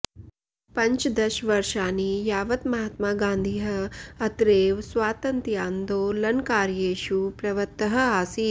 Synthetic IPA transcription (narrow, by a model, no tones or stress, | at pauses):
pɐɲt͡ʃd̪ɐʃʋɐɾʃaːnijaːʋɐt̪mɐɦat̪maːɡãːnd̪ʱiːɦɐɐt̪ɾeːʋsʋaːt̪ɐnt̪jaːnd̪oːlɐnkaːɾjeːʃupɾɐʋɐt̪ːɐɦɐ̆aːsiː